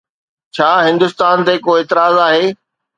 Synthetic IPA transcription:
t͡ɕʰaːɦɪ̃nd̪ʊst̪aːnt̪eːkoːeːt̪ɪɾaːzaːɦeː

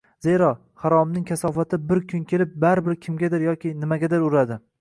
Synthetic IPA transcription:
zeɾɒ | haɾɒmnɪŋkʲʰasɒfat̪ʰɪbɪɾkʰʊnkʲʰe̞lɪp̚baɾɪbɪɾkʲʰɪmɡʲad̪ɪɾjɒkʲɪnɪmaɡʲad̪ɪɾʊɾad̪ɪ

